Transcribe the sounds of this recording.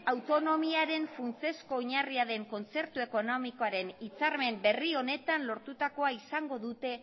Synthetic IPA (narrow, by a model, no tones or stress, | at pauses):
awt̪o̞no̞miaɾe̞nfunt͡se̞sko̞oɲariaðe̞ŋko̞nt͡se̞ɾt̪ue̞ko̞no̞miko̞aɾe̞nit͡saɾme̞mbe̞rio̞ne̞t̪anlo̞ɾt̪ut̪ako̞aisaŋɡo̞ðut̪e̞